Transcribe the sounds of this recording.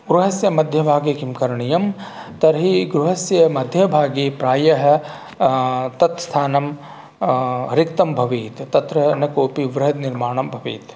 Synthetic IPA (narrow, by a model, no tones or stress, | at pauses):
ɡɾuɦɐsjɐmɐd̪ʱjɐbʱaːɡikimkɐɾɳijɐm | t̪ɐɾɦiɡɾuɦɐsjɐmɐd̪ʱjɐbʱaːɡipɾaːjɐɦ | t̪ɐt̪st̪ʰaːnɐm | ɾɪkt̪ɐmbʱɐʋiːt̪t̪ɐt̪ɾɐnɐkoːpiʋɾɪɦɐd̪niɾmaːɳ̃ɐmbʱɐʋḭːt̪